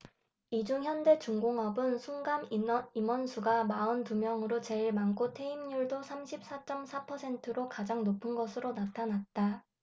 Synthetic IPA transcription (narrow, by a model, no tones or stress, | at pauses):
id͡ʑuŋçjʌnde̞t͡ɕuŋɡoŋʌbɯnsʰuŋɡamimʌnsʰuɡamaɯntumjʌŋɯɾot͡ɕe̞iɭmaŋk͈otʰe̞imɲuɭdosʰamɕʰip̚s͈at͡ɕ͈ʌmsʰapʰʌsʰe̞ntʰɯɾokad͡ʑaŋnopʰɯnɡʌsʰɯɾonatʰanat̚t͈a